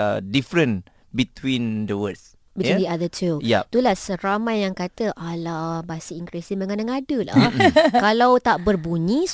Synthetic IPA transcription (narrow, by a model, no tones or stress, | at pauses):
difɾə̃n | bit̪wĩndəwəds | bit̪indiadətʰujat̪ulahsəɾamajjaŋkat̪əʔalabasiiŋkɾisiŋməŋanaŋadəla̰kalawt̪aʔbərbuɲĩs